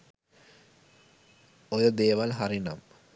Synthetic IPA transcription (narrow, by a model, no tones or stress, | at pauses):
ojəd̪eːʋalɦaɾina̰m